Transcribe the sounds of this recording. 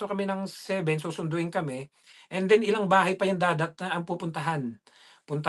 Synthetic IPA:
t̪okɐmɛnɐŋsɛːbɛnsuːsʊnd̪ʊʔɪnkɐmɛ | ʔɛnd̪ɛnɪlaŋbaːɦɐjpɐjɐnd̪aːd̪ɐt̪̚nɐʔɐŋpuːpʊnt̪ɐɦan | pʊnt̪ɐ

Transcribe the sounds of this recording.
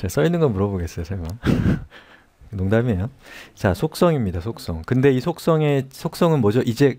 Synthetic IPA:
t͡ɕas͈ʌinːɯnɡʌmuɾʌboɡe̞s͈ʌjosʰaɭma | noŋdamiejot͡ɕasʰok̚s͈ʌŋimɲidasʰok̚s͈ʌŋkɯnde̞isʰok̚s͈ʌŋe̞sʰok̚s͈ʌŋɯnmwʌd͡ʑoʔid͡ʑe̞

